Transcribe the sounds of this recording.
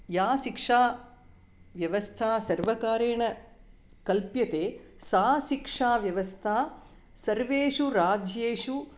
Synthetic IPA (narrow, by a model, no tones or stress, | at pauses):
jaːʃikʂaː | ʋjɐʋɐst̪ʰaːsɐɾʋɐkaːɾeːɳɐ | kɐlpjɐt̪eːsaːʃikʂaːʋjɐʋɐst̪ʰaː | sɐɾʋeːʂuɾaːd͡ʒjeːʂu